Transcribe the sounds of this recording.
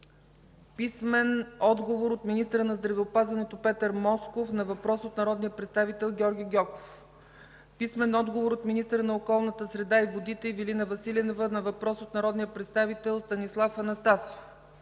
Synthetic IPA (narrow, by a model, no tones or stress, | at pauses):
pismɛnɔd̪ɡovoɾot̪minist̪əɾənɐzd̪ɾɐvɛopazvɐnɛt̪opɛt̪əɾmɔskofnɐvɐpɾɔsot̪nɐɾɔd̪nijəpɾɛt̪st̪avit̪ɛlˠɡʲɔɾɡʲiɡʲɔkoff | pismɛnɔd̪ɡovoɾot̪minist̪əɾənɐokɔlˠnət̪əsɾɛd̪aivod̪it̪ɛivilinəvɐsilʲɛnovənɐvɐpɾɔsot̪nɐɾɔd̪nijəpɾɛt̪st̪avit̪ɛlˠst̪ɐnislˠafɐnɐst̪aso̥f